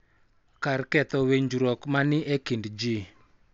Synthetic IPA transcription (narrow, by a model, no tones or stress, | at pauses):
karkɛt̪ɔweɲd͡ʒuɾɔkmanɪʔekindd͡ʒi